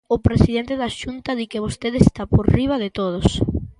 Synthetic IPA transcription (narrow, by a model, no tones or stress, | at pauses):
ʊpɾesiðent̪eðaʃunt̪ɐðikeβ̞ost̪eðest̪apoɾriβɐðet̪oð̞os